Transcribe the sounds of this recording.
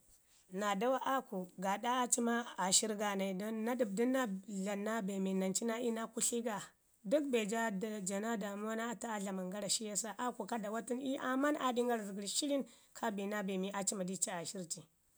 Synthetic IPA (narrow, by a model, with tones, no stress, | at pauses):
na˨da˦wa˦ʔa˦ku˨ɡa˨da˦a˦t͡ʃi˦ma˦a˨ʃi˦ɾɡa˨na˨i˨dːa˦du˨b̚di˦na˦ɮa˨nːa˦be˨mi˨na˨nt͡ʃi˦na˦i˦na˦ku˦ɬi˦ɡa˨ | du˦kbe˨d͡ʒa˦da˨d͡ʒa˨na˦da˨mu˦a˦na˦a˦ta˦a˦ɮa˨ma˨ŋɡa˦ɾa˨ʃi˦ja˦sa˦ʔa˦ku˨ka˦da˨wa˦ti˦ni˦ʔa˨ma˦na˨di˦ŋɡa˦ɾzi˨ɡi˨ɾi˨ʃi˦li˦n | kʰa˦bi˨na˦be˨mi˨ʔa˦t͡ʃi˦ma˨di˦t͡ʃi˦a˨ʃi˦ɾt͡ʃi˨